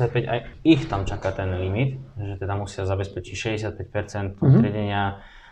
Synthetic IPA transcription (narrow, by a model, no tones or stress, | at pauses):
ac̚pɛɟa̰jixt̪amt͡ʃakat̪ɛnlimit̪ʒɛt̪ɛd̪amusɪazabɛspɛt͡ʃicʃɛɟɛsjat̪̚pɛc̚pɛɾt͡sɛnt̪ut̪ɾɪaɟɛɲɪa